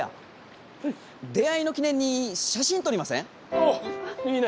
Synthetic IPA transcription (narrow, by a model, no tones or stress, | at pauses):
a̰ | d̪e̞aino̞kʲinẽɲ̟ːiɕaɕĩnt̪oɾimasḛ̃ | in